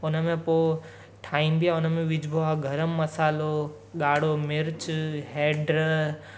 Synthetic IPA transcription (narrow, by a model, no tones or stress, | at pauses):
ʊnəmẽpo | ʈʰaːimbijaʊnəmẽʋɪd͡ʒbʱoaɡʱəɾəmːɐsaːlo | ɠaːɽomɪɾt͡ʃɦeːɖɾə